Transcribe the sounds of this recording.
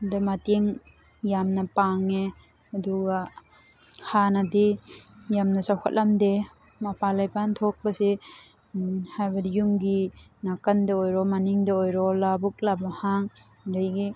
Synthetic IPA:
dɐmateŋ | jamnɐpaŋe | ɐduɡa | hanadijamnɐsawkʰa̰t̚lamde | mapalajpantʰok̚bɐsi | hajbɐdijumɡi | nakɐndɐojɾɔmaniŋdaojɾɔlabuk̚labahaŋ | dajɡi

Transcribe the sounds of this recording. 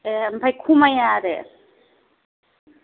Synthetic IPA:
mbʱɐjkʰumɐjaːɾḛ

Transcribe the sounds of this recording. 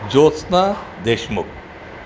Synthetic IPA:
d͡ʑoːt͡snad̪eʃmʊk̚

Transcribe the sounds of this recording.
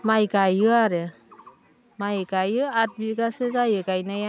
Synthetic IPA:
majɡajɯaɾɯ | majɡajɯat̚biɡasɯzajɯɡajnaja

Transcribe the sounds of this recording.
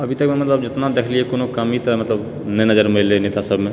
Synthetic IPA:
ɐbʱit̪əkmẽmɐt̪ləb̚d͡ʒɪt̪nad̪eːkʰliekonokəmit̪əmɐt̪ləb | nɛnəd͡ʒəɾmeleneːt̪asəbʱmẽ

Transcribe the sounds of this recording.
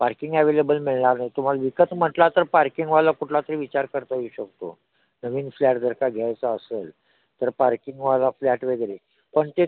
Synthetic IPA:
paɾkiŋɡɛʋelebəlmiɭɳaɾnajt̪um̤alaʋikət̪m̤əʈlat̪əɾpaɾkiŋɡʋalakuʈʰlat̪əɾiʋit͡ɕaɾkəɾt̪aɦuɕək̚t̪o̰ | nəʋiːnflaʈd̪ʱəɾkaɡʱjajt͡saəsel | t̪əɾpaɾkiŋɡʋalaflæʈʋeɡɾe | pəɳt̪e

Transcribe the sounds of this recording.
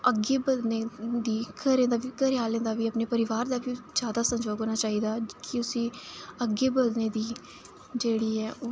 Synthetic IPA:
əɡeːbəd̪neːd̪iːkʰəɾẽːnd̪aːʋiːkəɾɪjaːlẽːnd̪aːʋiːəpneːpəɾɪʋaːɾd̪aːʋiːd͡ʒjaːd̪aːsə̃md͡ʒoːɡɦoːnaːt͡ʃaːɦiːd̪aːkɪʊsĩːəɡeːbəd̪neːd̪iː | d͡ʒeːɽiːɛːʔoː

